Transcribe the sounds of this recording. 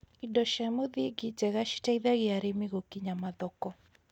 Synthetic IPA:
idɔʃamoðiɡɪd͡ʒɛɣaʃi̥taiðaɣɪaɾemɪɣokiɲamaðɔkɔ

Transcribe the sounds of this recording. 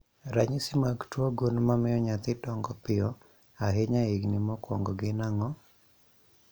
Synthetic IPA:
ɾaɲisɪmaɡtwɔɡunmamɪjɔɲat̪ɪdɔŋɡɔpɪɔ | aɦeɲaiɡnɪmɔkwɔ̰ŋɡɔɡɪnaŋɔ

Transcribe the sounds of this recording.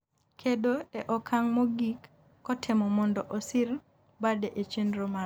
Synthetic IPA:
kʰedoeʔɔkʰaŋmɔɡikː | ɔtʰɪmɔmɔndɔʔɔsɪɾ | badeʔet͡ʃenɾoma

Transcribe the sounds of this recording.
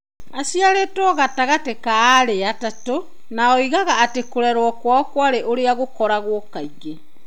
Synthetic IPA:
asiaɾetɔɣataɣatekaːɾeatato | naɔiɣaɣaːtekoɾɛɾwɔkwaɔkwaɾeʔoɾeaɣokɔɾaɣwɔkaiɣe

